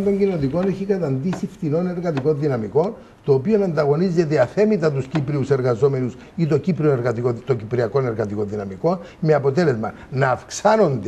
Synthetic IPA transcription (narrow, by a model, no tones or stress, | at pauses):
t̪oɲɟino̞t̪iko̞neçikɐt̪ɐnd̪isift̪ino̞ne̞ɾɣɐt̪iko̞nðinɐmiko̞n | t̪oːpio̞nɐnd̪ɐɣo̞nize̞t̪̬eɐθe̞mit̪ɐt̪uscipɾiuse̞ɾɣɐzo̞me̞nus | it̪o̞cipɾioneɾɣɐt̪ikot̪ocipɾiɐko̞ne̞ɾɣɐt̪iko̞nðinɐmiko̞nmeɐpo̞t̪e̞le̞zmɐ | nɐːfksɐno̞nd̪e